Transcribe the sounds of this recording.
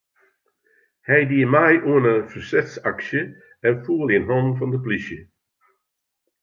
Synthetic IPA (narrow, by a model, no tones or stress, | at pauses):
hɛjdiəmajʔuənəfərsɛtsaksjə | ɛnfuːəlˠiənɦɔmfɔndəplisjə